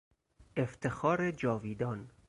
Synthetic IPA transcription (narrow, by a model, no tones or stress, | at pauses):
eft̪ʰexɒːɾed͡ʒɒːviːd̪ɒːn